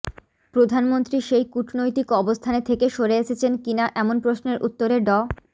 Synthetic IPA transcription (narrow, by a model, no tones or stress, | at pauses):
pɾod̪ʱanmont̪ɾiʃejkuʈʰnojt̪ikɔbost̪ʰanet̪ʰekeʃoɾeeʃet͡ɕʰenkinaʔɛmonpɾosneɾʔṵt̪ːoɾeɖɔ